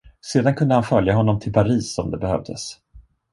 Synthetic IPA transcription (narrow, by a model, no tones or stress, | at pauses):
seːd̪ankʰɵnd̪əhanfœljaɦɔnːɔmt̪ʰɪlpʰaɾiːsɔmd̪ɛbɛhœ̰vd̪ə̰s